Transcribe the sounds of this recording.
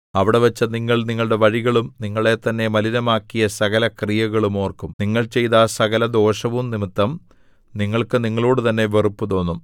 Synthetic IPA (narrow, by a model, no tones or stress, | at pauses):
ɐʋiɽe̞ʋɐt͡ɕːɐniŋːɐɭniŋːɐɭɽe̞ʋɐɻiɣɐɭumniŋːɐɭe̞t̪ɐnːe̞mɐliɾɐmaːkːijɐsɐɣɐlɐkrijɐɣɐɭumo̞ːrkːumniŋːɐɭt͡ɕe̞jt̪aːsɐɣɐlɐd̪o̞ːʂɐʋumnimit̪ːɐm | niŋːɐɭkɨniŋːɐɭoːɽut̪ɐnːe̞ʋe̞rupːut̪o̞ːnːum